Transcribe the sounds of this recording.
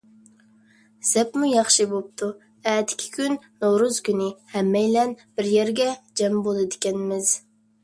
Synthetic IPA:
z̥ɛpmujɑχʃɨbop̚t̪ʰu | ɛːd̪ɪ̥kʲʰi̥kʲʰynːoɾuz̥kʲynɪhɛmːɛjlɛnbɪɾjɛɾɡʲɛd͡ʒɛmbolˠɨd̪ɪkʲɛnmɪz̥

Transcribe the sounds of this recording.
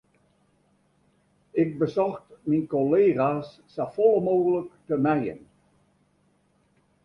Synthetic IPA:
ɪk̚bəzɔxtminkoleːɣaːs | safɔlˠəmoːɣələktəmɛjə̰n

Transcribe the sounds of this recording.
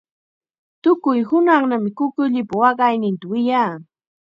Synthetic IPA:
t̪ʊkʊjhʊnɑχnamɪkʊkʊʎɪpawɑɢɑjnɪnt̪awɪjaː

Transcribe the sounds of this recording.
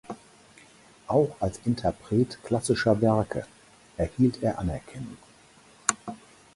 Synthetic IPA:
ʔaʊxalsʔɪntʰɛɐpʁ̥eːtkl̥asɪʃɐvɛɐkʰə̰ | ʔɛɐhiːltʰeːɐʔanɛɐkʰɛnʊŋ

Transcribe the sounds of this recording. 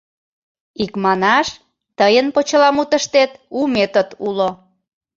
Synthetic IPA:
ikmɑnɑʃ | t̪əjənpot͡ɕəlɑmut̪əʃt̪et̪umet̪ət̪ulo

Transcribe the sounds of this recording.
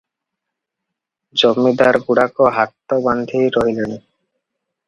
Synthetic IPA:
d͡ʑomːid̪aɾɡuɽakoɦat̪ːoband̪ʱiɾɔɦiloni

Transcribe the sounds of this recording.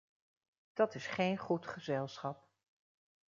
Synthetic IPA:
d̥ɑtɪsχejnχutχəzɛlˠsχɑp

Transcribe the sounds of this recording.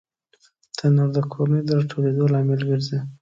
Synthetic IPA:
d̪̥ənoɾd̪əkʰoɾned̪əɾʈʰoɽed̪olɑmɪlɡəɾzi

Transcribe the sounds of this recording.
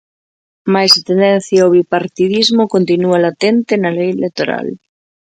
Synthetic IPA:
majst̪end̪ɛn̟θjaoβipaɾt̪iðizmokont̪inualat̪ent̪enalejelek̚t̪oɾa̰l

